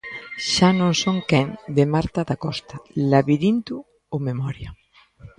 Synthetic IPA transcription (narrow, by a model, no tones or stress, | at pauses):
ʃanõŋsõŋkɛŋd̪emaɾt̪aðakɔst̪alaβiðint̪ʊ | omemɔɾja